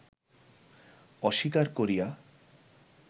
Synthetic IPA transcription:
ɔʃikaɾkoɾija

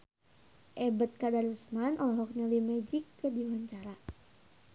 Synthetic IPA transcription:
ʔɛbət̪̚kadaɾusmanʔɔlɔɦɔk̚ɲalimɛd͡ʒɪkːədiwaɲt͡ʃaɾa

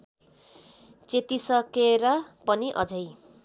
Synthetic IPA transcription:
t͡set̪isʌkeɾʌpʌniʔʌ̰d͡zʌj

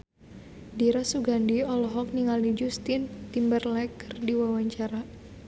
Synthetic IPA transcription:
diɾasuɡandiɔlɔɦɔk̚niŋalid͡ʒust̪int̪imbərlɛkərdiwawaɲt͡ʃaɾa

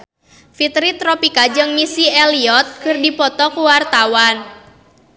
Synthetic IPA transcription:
fit̪ɾit̪ɾopikad͡ʒɨŋmisieliɔt̪̚kɨrdipɔt̪ɔkuwart̪awan

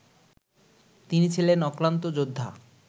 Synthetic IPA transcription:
t̪init͡ɕʰilenɔkɾant̪od͡ʑod̪ʱːa̰

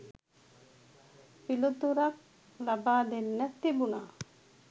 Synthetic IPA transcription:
pilut̪uɾak̚ | labaːd̪enːɛt̪ːibunaː

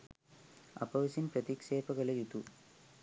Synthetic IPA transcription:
ɐ̰pɐʋɐsinpɾɐt̪ikʂeːpɐɣɐɭɐit̪u

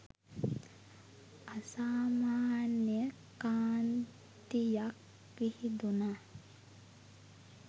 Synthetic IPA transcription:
asaːmaːnjəkaːn | t̪ijak | ʋihid̪una

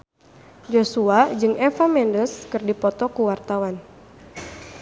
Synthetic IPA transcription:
d͡ʒosuad͡ʒɨŋʔɛfamɛndəskɨrdipɔt̪ɔkuwart̪awan

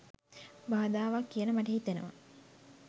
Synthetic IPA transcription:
baːd̪aːʋakːijənəmaʈəɦit̪enə̰ʋa̰

